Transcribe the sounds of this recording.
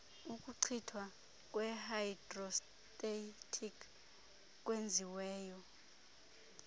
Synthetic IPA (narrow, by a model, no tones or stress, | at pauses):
ukʼuǀʰitʰwa | k̬ʼwɛhajidrɔs | tʼetʰikʰ | k̬ʼwend͡zʱiwɛːjɔ